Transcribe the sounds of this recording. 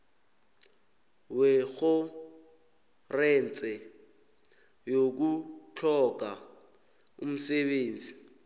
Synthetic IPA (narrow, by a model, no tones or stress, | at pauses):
weɣʊ | rɛnt͡sʼɛ | jok̬ut͡ɬʰɔk̬ʼa | ṵm̩seɓeːnd͡zʱʼi